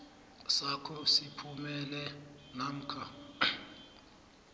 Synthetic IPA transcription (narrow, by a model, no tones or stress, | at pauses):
sakʰɔsipʰumɛlɛnam̩kʰa